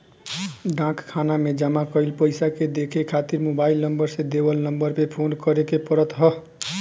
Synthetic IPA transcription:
ɖãkkʰanamed͡ʒəmakəjlpəjsaked̪ekʰekʰat̪iɾmobailnəmbəɾsẽd̪ebəlnəmbəɾpepʰonkəɾekepəɾət̪ɦʌ

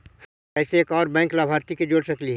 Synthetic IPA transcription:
h | ɛːseeːkɔːɾbɛ̃ːŋklaːbʱaːɾt̪iked͡ʒoːɽsɐkliɦ

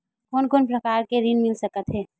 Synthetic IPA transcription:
koːnkoːnpɾəkaːɾkeɾinmɪlsəkət̪ɦɛː

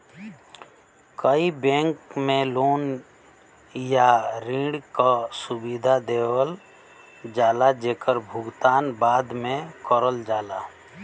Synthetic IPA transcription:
kəibɛ̃ːŋkmẽloːn | jaɾĩɽkasubid̪ʱad̪eːwəl | d͡ʒaːlad͡ʒekəɾbʱʊɡt̪aːnbaːd̪mẽkəɾəld͡ʒaːla

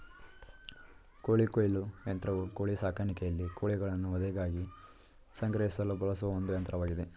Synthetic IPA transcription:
koːɭikoːjlujɐnt̪ɾɐʋukoːɭisaːkʰanikejɐlːikoːɭiɡɐɭɐnːuɐd̪ɐɡaːɡi | sɐŋɡɾɐɦisɐlːubɐɭɐsuʋɐond̪ujɐnt̪ɾɐʋaːɡid̪e̞

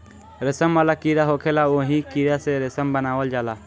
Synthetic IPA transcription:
ɾɛsəmbalakiɾaɦɔkʰɛlaoɦĩkiɾasɛɾɛsəmbənawəld͡ʒala

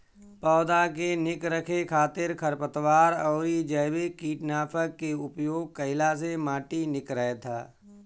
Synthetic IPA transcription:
pɔːd̪akenɪkɾəkʰekʰaːt̪ɪɾkʰəɾpət̪waːɾɔːɾid͡ʒəːbekiːʈnaːpʰək̚ːeʊpjoːɡ̚kəɪlas̬emaːʈinɪkɾəɦet̪ʰaː

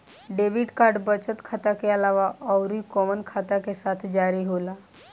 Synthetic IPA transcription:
ɖeʋiɖkaɾɖbət͡ʃət̪kʰat̪akeəlaʋaʔəwɾikɔmənkʰat̪akesat̪ʰd͡ʒaɾiɦola

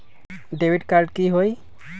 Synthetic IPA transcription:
debʱidkaɹɖkiɦoj

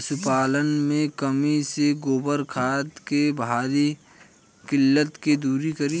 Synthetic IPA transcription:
sʊpaːlənmẽkəmiseɡoːbəɾkʰaːt̪kebaːɾi | kɪlːət̪ked̪uːɾikəɾi

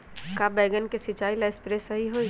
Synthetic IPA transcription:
kabɛːɡənkesɪt͡ʃaːilaɪspɾesɐɦiɦoi

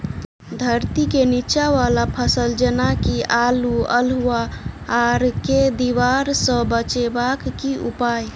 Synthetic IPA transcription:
d̪ʱəɾt̪ikenit͡ʃaʋalapʰəsəld͡ʒənakiʔaluə̰luaː | ɾked̪iʋaɾsə̃bət͡ʃebakːiupaj

